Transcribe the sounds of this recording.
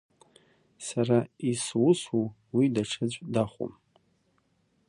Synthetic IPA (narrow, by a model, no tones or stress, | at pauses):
saraiswʊsu | widaʈ͡ʂʰɨt͡ɕʷʼdaχʷṵm